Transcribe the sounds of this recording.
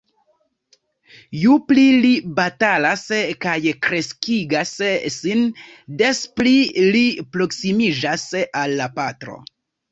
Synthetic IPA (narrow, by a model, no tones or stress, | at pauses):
juplilibatalaskajkɾe̞skiɡassin | de̞splilipɾo̞ksimid͡ʒasalːapatɾo̞̰